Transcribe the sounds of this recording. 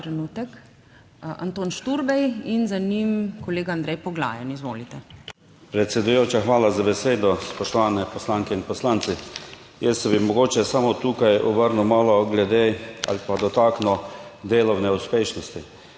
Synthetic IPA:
ɾɛnuːt̪ɛk | a̰nt̪oːnʃt̪uɾbɛjinzanimkɔleːɡaːnd̪ɾɛjpɔɡla̰ːjɛnizʋoːlit̪ɛ | pɾɛt̪sʲɛd̪ujoːt͡ʃaxʋaːlazabɛseːd̪ɔspɔʃt̪ɔʋaːnɛpɔslaːŋkɛinpɔslant̪si | jɛsːɛbimɔɡoːt͡ʃɛsamot̪uːkajɔ̰bəɾnuwmaːlɔɡlɛd̪eːa̰lipad̪ɔt̪aːknɔd̪eːlɔwnɛuspeːʃnɔst̪i

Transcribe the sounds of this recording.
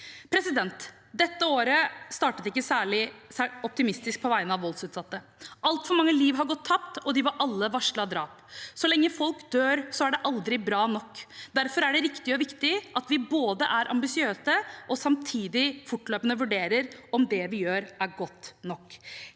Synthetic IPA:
pʰɾɛsɪd̪ɛnt̪ | d̪ɛt̪ːəoːɾəst̪ɑːʈət̪ɪkːəsæːɭɪæɔp̚t̪ɪmɪst̪ɪsk̚pʰɔʋæɪənɑʋʋɔlsʉːt̪sɑt̪ːə | ʔɑlt̪fɔɾmɑŋːəliːʋɦɑɾɡɔt̪ʰːɑpt̪ɔd̪ɪʋɑɾʔɑlːəʋɑʂɭɑd̪ɾɑːp | sɔlɛŋːəfɔlkd̪̥øːɾsɔæɖɛʔɑld̪ɾɪbɾɑːnɔkːd̪æɾfɔɾæɖɛɾɪkt̪ɪɔʋɪkt̪ɪʔɑt̪ʋɪboːd̪əʔæɾʔɑ̰mbɪsɪøːsəʔɔsɑmt̪ʰiːd̪ɪfʊʈløːpənəʋʉɖeːɾəɾɔmd̪ɛʋɪjøːɾæɾɡɔt̪ːnɔkː

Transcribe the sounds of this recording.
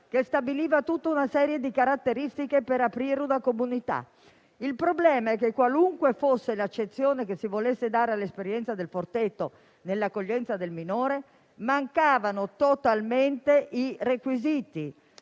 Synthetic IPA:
kest̪abiliːvat̪ut̪ːaunasɛːɾjed̪ikaɾat̪ːeɾist̪ikepeɾapɾiːɾud̪akomunit̪a̰ | ilpɾoblɛːmaɛkːekːwaluŋkwefosːelat͡ʃːet̪sːjoːnekesːivolesːed̪aːɾealːespeɾjɛnt̪sad̪elfort̪et̪ːo | nelːakːoʎːɛnt̪sad̪elminoːɾe | maŋkaːvanot̪ot̪alment̪eirekwiziːt̪i

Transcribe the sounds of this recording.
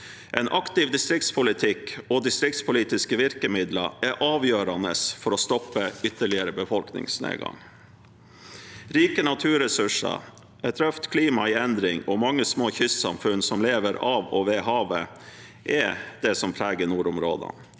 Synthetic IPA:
ʔɛnʔɑkt̪ɪʋd̪ɪst̪ɾɪk̚t̪spʰʊlɪt̪ʰɪkɔd̪ɪst̪ɾɪk̚t̪spʰʊliːt̪ɪskəʋɪɾkəmɪd̪ləɾɛʔɑːʋjøːɾɑnəsfɔɾɔst̪ɔpːəʏt̪ːəɭɪəɾəbəfɔlknɪ̰ŋsnḛːɡɑ̰ŋ | ɾiːkənɑt̪ʰʉːɾɛsʉʂə̰ | ɛt̪ʰɾœft̪kʰliːmɑɪɛnd̪ɾɪŋɔmɑŋːəsmoːçʏst̪sɑ̰mfʉnsɔmleːʋəɾɑːʋɔʋeːɦɑːʋə | ʔɛd̪̥ɛsɔmpʰɾæːɡənuːɾʊmɾo̰ːd̪ə̰n

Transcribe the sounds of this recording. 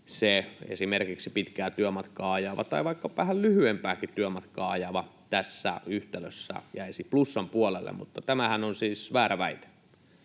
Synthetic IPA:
seḛsimerkiksipit̪kæːt̪yømɑt̪kɑːɑjɑʋɑt̪ɑiʋɑikːɑʋæhællyhyempæːkit̪yømɑt̪kɑːɑjɑʋɑt̪æsːæ̰yht̪ælø̰sːæ̰jæisiplusːɑmpuolelːḛmmut̪ːɑt̪æmæhænonsiːsʋæːɾæʋæit̪e̥

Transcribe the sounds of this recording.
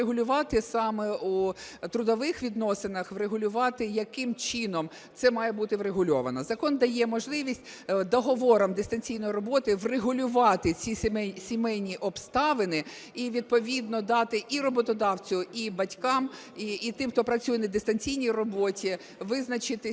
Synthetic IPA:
eɦʊlʲʊʋɑt̪ɪsɑmɛut̪ɾʊd̪ɔʋɪxʋʲid̪nɔsɪnɐxʋreɦʊlʲʊʋɑt̪ɪjɐkɪmt͡ʃɪnɔm | t̪sɛmɑjɛbut̪ɪʋɾeɦʊlʲɔʋɐnɔzɐkɔnd̪ɐjɛmɔʒlˠɪʋʲisʲtʲ | d̪ɔɦɔʋɔɾɐmd̪est̪ɐnʲt͡sʲijnɔjiɾɔbɔt̪ɪʋreɦʊlʲʊʋɑt̪ɪt͡sʲiɛsʲimɛjnʲiʔɔbst̪ɑʋɪnɪ | iʋʲid̪̚pɔʋʲid̪nɔd̪ɑt̪ɪʔirɔbɔt̪ɔd̪ɑwt͡sʲʊibɐtʲkɑm | iːt̪ɪmxt̪ɔpɾɐt͡sʲujɛnɐd̪est̪ɐnʲt͡sʲijnʲijrɔbɔtʲi | ʋɪznɐt͡ʃɪt̪ɪ

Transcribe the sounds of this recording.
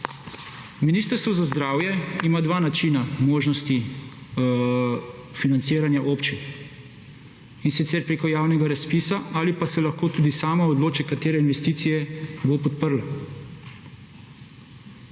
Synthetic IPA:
miniːst̪əɾst̪ʋɔzazd̪ɾaːwjɛimaːd̪ʋaːnat͡ʃinamoːʒnɔst̪i | finant̪seːɾanjaʔoːpt͡ʃin | insit̪sɛɾpɾeːkɔjaːwnɛɡaɾaspiːsaaːlipasɛlaxkoːt̪uːd̪isaːmaɔd̪loːt͡ʃɛkat̪eːɾɛinʋɛst̪iːt̪sijɛbopɔt̪̚pəɾl

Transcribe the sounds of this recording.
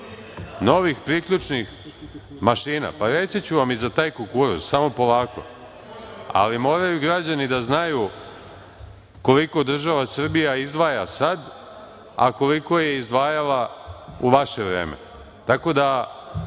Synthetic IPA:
no̞ʋixpɾikʎut͡ʂnix | maʃiːna̰paɾe̞t̪sit͡ɕuʋamizat̪aːjkokuɾṵssamo̞po̞laːko̞̰ | a̰limo̞ːɾajuɡɾad͡ʑanid̪aznaju | ko̞liko̞d̪r̩ʒaʋasr̩bijaizd̪ʋaːjasad̪ | a̰ko̞liko̞je̞izd̪ʋaːjalauʋaʃe̞ʋɾḛːmḛ | t̪ako̞d̪a

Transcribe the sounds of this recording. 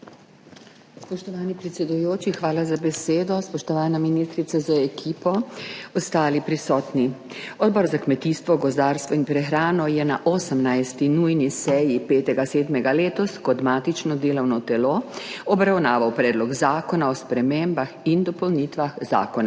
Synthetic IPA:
spɔʃt̪ɔʋaːnipɾɛt̪sʲɛd̪ujoːt͡ʃixʋaːlazabɛseːd̪ɔspɔʃt̪ɔʋaːnaminist̪ɾit̪sazaɛkʰiːpɔɔst̪aːlipɾisɔːt̪ni | ɔd̪̚bɔːɾzakmɛt̪ist̪ʋɔɡɔzd̪aːɾst̪ʋɔinpɾɛxɾaːnɔjɛnaʔɔːsəmnajst̪inujnisɛjipeːt̪ɛɡaseːd̪mɛɡaleːt̪ɔskɔd̪maːt̪it͡ʃnɔd̪eːlɔwnɔt̪ɛloɔbɾawnaːʋawpɾɛːd̪lɔɡzaːkɔnaɔspɾɛmeːmbaxind̪ɔpɔwnit̪ʋaxza̰ːkɔna

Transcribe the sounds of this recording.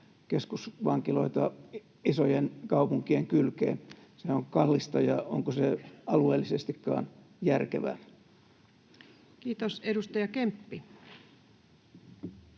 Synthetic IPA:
keskusʋɑŋkilo̞̰it̪ɑ | isojenkɑupuŋkieŋkylkḛːnseoŋkɑlːist̪ɑjɑo̰ŋkoseɑlueːlːisest̪ikːɑ̰ːn | jærkeʋæ̰ː | kiːt̪osedust̪ɑjɑkempːi

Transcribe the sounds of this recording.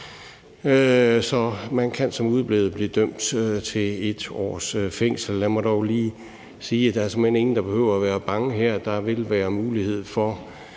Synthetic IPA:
sɒ̽mænkʰænsɒ̽muð̞ˠb̥le̝ʊð̩ˠb̥liːd̥øm̰d̥øt͡sʰe̝e̝d̥ɒ̰ːsfeŋ̰sl̩læmɒdɒʊliː | siːæd̥ɑ̈æɐsmhen̰e̝ŋn̩d̥ɑ̈b̥e̝hø̰ʊ̰ɐæʋæːɐb̥ɑ̈ŋəɦæɐ̰d̥ɑ̈ʋe̝lʋæːɐmuːlihe̝ð̞̰ˠfɒ

